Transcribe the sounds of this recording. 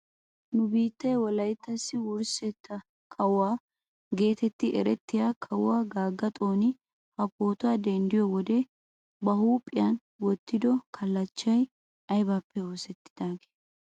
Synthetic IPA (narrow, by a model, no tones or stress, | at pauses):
nʊbiːt̪ːɐjwɔlɐjt̪ːɐsːɪwʊɾsɛt̪ʰːɐ | kʰɐwaː | ɡe̞ːt̪ɛt̪ːɪʔɛɾɛt̪ːɪjaːkʰɐwaːɡaːɡːɐt̪ʼo̞ːnɪ | hɐpːo̞ːt̪ʊaːd̪ɛnd̪ɪjɔwɔd̪e | bɐhuːpʼɪjɐn | wɔt̪ːɪd̪ɔkʰɐlːɐt͡ʃːɐj | ɐjbaːpːɛo̞ːsɛt̪ːɪd̪̥aːɡe̥ː